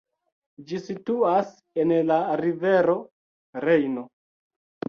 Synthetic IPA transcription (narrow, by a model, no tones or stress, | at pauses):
d͡ʒisituas | enlaɾive̞ɾo̞ | ɾe̞jno